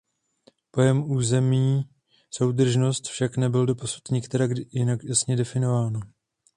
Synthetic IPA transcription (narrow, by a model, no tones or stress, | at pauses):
po̞jɛmuːzɛmiː | so̞wdr̩ʒno̞st̪fʃaknɛbɪldo̞posu̥t̪ɲɪkt̪ɛɾaɡjɪnakjasɲɛdɛfɪno̞vaːno